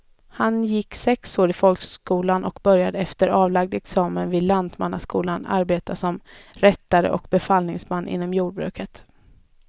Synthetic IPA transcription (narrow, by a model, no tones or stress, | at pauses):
hanjɪkːsɛksoːɾɪfɔlkskuːlanʔɔkbœɾjad̪əɛft̪əɾɑːvlaɡ̚d̪ɛksɑːmənvɪllːand̪ma̰nːaskuːlana̰ɾbeːt̪asɔmɾɛt̪ːaɾə̰ʔɔ̰kbɛfalnɪŋsmanːʔɪ̰nːɔmjuːɖ̚bɾʉ̟ːkʰət̪